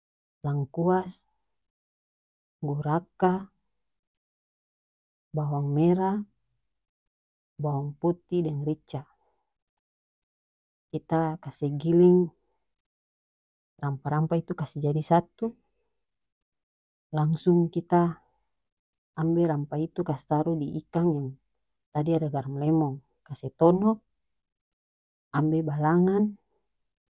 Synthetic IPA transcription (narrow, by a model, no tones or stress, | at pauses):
laŋkuas | ɡuɾaka | bawaŋmɛɾa | bawaŋput̪idɛŋrit͡ʃa | kit̪akasɛɡiliŋ | rampaɾampait̪ukasɛd͡ʒadisat̪u | laŋsuŋkit̪a | mbɛɾampait̪ukast̪aɾudiʔikaŋjaŋ | t̪adiadaɡarmlɛmɔŋ | kasɛt̪ɔnɔʔ | ambɛbalaŋan